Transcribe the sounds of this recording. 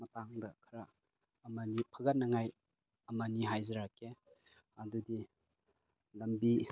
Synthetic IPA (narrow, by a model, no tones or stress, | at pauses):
mɐtaŋdɐkʰɐɾaː | mɐnipʰɐɡɐt̚nɐŋaj | ɐmaniɦajzɐɾakʰːe | ɐdudi | lɐmbi